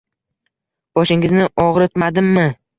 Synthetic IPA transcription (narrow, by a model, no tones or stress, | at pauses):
b̥ɒʃɪŋɪznɪʔɒʁɾɪt̪mad̪ɪmːɪ